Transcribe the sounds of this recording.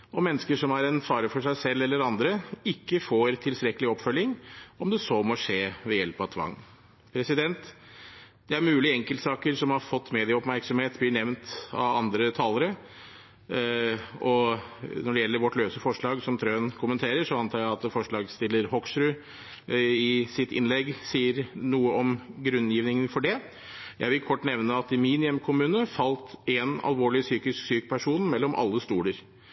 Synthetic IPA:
ɔmɛnːəskəʂɔmæɾɛnfɑːɾəfɔʂæɪsɛlːɛlːəɾɑnd̪ɾəɪkːəfoːɾt̪ʰɪlst̪ɾɛkəlɪɔpfœlːɪŋɔmd̪ɛsomɔʂeːʋɛjɛlpɑʋt̪ʰʋɑ̰ŋː | pʰɾɛsɪd̪ɛnt̪ | d̪̥ɛæɾmʉːlɪɛŋkəlt̪sɑːkəɾsɔmhɑɾfɔt̪ːmeːd̪ɪəɔpmæɾksɔmheːt̪blɪɳɛʋnt̪ɑ̰ɑnd̪ɾət̪ʰɑːləɾə | ɔnɔɖɛjɛlːəɾʋɔʈløːsəfɔʂɭɑːɡsɔmt̪ʰɾøːənkʰʊmənt̪ʰeːɾəʂɔɑnt̪ʰɑːɾjæɪɑt̪fɔʂɭɑːɡst̪ɪlːəɾhɔksɾʉ | ɪsɪt̪ɪ̰nlɛɡsiːəɾnuːəʔɔmɡɾʉnjiːʋnɪŋənfɔɖɛ | jæ̰ɪʋɪlkʰɔʈːnɛʋnəɑt̪ɪminɪɛmkʰʊmʉːnəfɑlt̪ɛnɑ̰lʋoːɭɪsyːkɪsksyːkə̥pʰæʂuːnmɛlːɔmʔɑ̰lːəst̪uːləɾ

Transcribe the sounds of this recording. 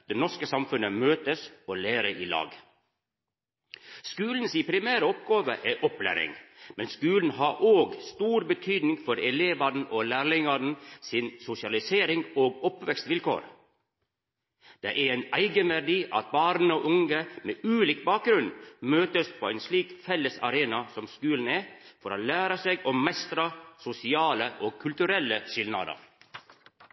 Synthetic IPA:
d̪eːnɔʂkəsɑmfʉnəmøːt̪əsoːleːɾəʔiːlɑ̰ːɡ | skʉːln̩siːpʰɾɪmæːɾəɔp̚ɡɑːʋəʔɛʔɔplæ̰ːɾɪ̰ŋmɛnskʉːln̩hɑʔoːɡst̪uːɾbət̪ʰyːd̪nɪŋfɔɾɛleːʋɑd̪n̩ʔoːlæːɾlɪŋɑdn̩sɪnsʊsɪɑlɪseːɾɪŋoːɡɔpʋɛkst̪ʋɪlkʰo̰ːɾ | d̪̥ḛʔææɪnæɪɡənʋæɖiːʔɑ̰t̪̚bɑːɾnəoːʔʊŋəmeːʔʉːliːk̚bɑːk̚ɡɾʉnmøːt̪əspʰoːæɪnsliːkfɛlːəsɑ̰ɾeːnɑsɔmskʉːln̩æfɔɾoːlæːɾəseːɡɔmmɛst̪ɾɑsʊsɪɑːləʔoːɡ̚kʰːʉlt̪ʉɾɛlːəʃɪlnɑ̰d̪ə̰ɾ

